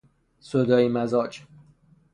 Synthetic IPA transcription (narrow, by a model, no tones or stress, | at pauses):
sod̪ɒːimæzɒːd͡ʒ